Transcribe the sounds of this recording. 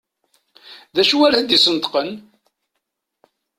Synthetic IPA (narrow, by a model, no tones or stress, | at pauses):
ðæʃuwæɾæd̪isənt̪qən